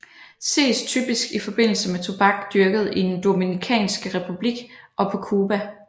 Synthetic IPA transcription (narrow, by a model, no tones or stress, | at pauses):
se̝̰ːst͡sʰy̰ːb̥isɡ̥ifɒ̽b̥e̝n̰l̩səmet͡sʰub̥ɑ̈ɡ̥d̥yɐɡ̥əð̩ˠid̥end̥o̝minikʰɛ̰ːnsɡ̥əʁɛpʰub̥liɡ̥ʔɒ̽pʰɒ̽kʰuːb̥æ